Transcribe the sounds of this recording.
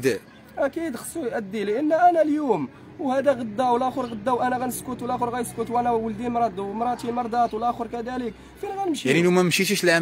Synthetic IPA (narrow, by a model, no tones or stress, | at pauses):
d̪ | ʔækid̪xə̥sˤːujʔæd̪ːiliʔənːæʔænæljum | whæd̪æɣəd̪ːæwlæxoɾˤɣəd̪ːæwʔænæɣænəskʊt̪wlæxoɾɣæjskʊt̪wʔænæwəld̪imɾˤɑd̪mɾˤɑt̪ilmɑɾˤd̪ɑt̪wlæxoɾkæd̪ælək | finɣænəmʃinilumæmʃit̪iʃlʕ